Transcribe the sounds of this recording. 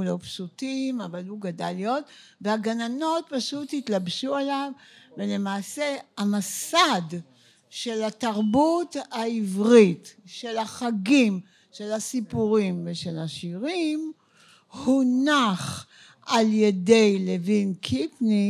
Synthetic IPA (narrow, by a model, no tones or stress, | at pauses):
lopsutimavaluɡada̰ljot̪veaɡanano̞t̚paʃuthitlabʃuelavvele̞maːseamasad | ʃe̞lataʁbutaivʁitʃe̞laχaɡim | ʃe̞lasipuʁimveʃelaʃiʁim | hunaχ | alje̞de̞jlevinkʰipni